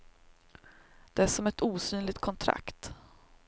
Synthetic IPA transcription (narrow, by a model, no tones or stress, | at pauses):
d̪̥ɛæʂɔmɛt̪uːsyːnlɪɡ̚t̪̚kʰɔnt̪ʰɾa̰kt̪